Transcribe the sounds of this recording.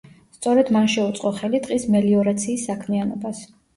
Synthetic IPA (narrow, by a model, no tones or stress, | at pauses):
st̪sʼɔɾɛd̪manʃɛut̪sʼqʼɔχɛlit̪ʼqʼismɛliɔɾat̪sʰiːsːakʰmianɔbas